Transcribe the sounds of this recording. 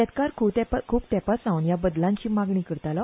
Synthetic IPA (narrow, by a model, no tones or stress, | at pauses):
ɛt̪kaɾkʰuːt̪ɛpakʰuːpt̪ɛpasãwnjabəd̪lãɲt͡ɕiːmaɡɳiːkəɾt̪alɔ